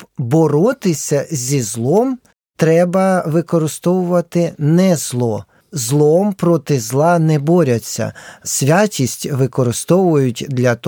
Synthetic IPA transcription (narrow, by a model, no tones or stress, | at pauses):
bɔɾɔt̪ɪsʲɐzʲizlˠɔm | t̪ɾɛbɐʋɪkɔɾɪst̪ɔʋʊʋɐt̪ɪnɛzlˠɔ | zlˠɔmpɾɔt̪ɪzlˠɑnɛbɔɾʲɐt͡sʲːɐ̰sʲʋʲat͡ʃʲisʲtʲʋɪkɔɾɪst̪ɔʋʊjʊtʲd̪lʲɐt̪